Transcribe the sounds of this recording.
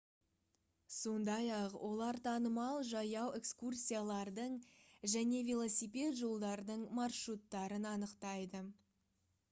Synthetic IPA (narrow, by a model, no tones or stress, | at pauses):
so̞nd̪ɑjɑqwʔo̞lˠɑɾt̪ʰɑnəmɑlˠʒɑjɑwe̞kskursʲijalˠɑɾd̪əɴʒæne̞vʲelˠo̞sijpʲe̞t̪ʒo̞lˠd̪ɑɾd̪əɴmɑrʃrut̪ːɑɾənɑnəqt̪ɑjd̪ə